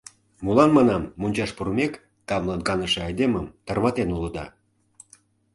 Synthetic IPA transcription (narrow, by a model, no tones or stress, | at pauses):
mulɑnmɑnɑmːunʲt͡ɕɑʃpuɾmekː | ɑmlˠɑnkɑnəʃeɑjd̪eməmt̪ərβɑt̪enuləd̪ɑ̰